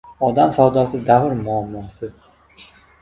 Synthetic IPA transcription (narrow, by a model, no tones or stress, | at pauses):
ɒd̪amsawd̪asɪd̪aɦʊɾmʊamːɒsɪ